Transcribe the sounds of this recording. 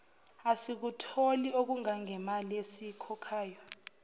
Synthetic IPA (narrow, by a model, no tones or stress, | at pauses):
asik̬utʰoliok̬uŋaŋɛmaliesikʰɔkʰaːjɔ